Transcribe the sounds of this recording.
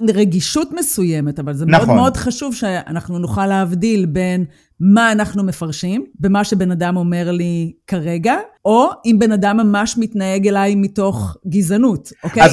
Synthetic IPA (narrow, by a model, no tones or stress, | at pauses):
ʁeɡiʃutmesuje̞me̞tavalzemneodmeo̞dχaʃuvʃea̰naχnunuχaleavdilbe̞n | maːnaχnumefaʁʃimbemaʃebe̞nadamo̞me̞ʁlikaʁe̞ɡao̞imbe̞nadamːamaʃmitnae̞ɡelajmito̞χɡizanutʔoke